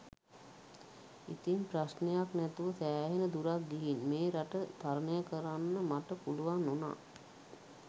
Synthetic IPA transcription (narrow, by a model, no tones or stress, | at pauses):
it̪imprasnejaknɛt̪uʋəsæːɦenəd̪uɾak̚ɡiɦinmeːɾaʈəd̪̥ʱaɾənəjəkəɾanːəmaʈəpuluʋanːona̰ː